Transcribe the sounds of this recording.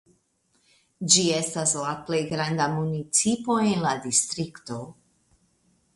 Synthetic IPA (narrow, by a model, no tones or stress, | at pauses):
d͡ʒie̞staslaple̞jɡɾand̪amunit͡sipo̞enladist̪ɾikto̞